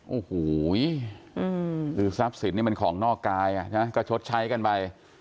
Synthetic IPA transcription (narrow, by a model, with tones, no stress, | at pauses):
ʔoː˨˩hoː˨˩˦jʔɯː˧˩ɾɯː˨˦sa˦˥p̚si˨˦nːiː˥˩ma˧nkʰɔː˩˦ŋnɔː˥˩kːaː˧jʔa̰˨˩t͡ɕʰa˥˩ma˦jkɔː˥˩t͡ɕʰo˦˥t̪̚t͡ɕʰa˦˥jka˧npa˧j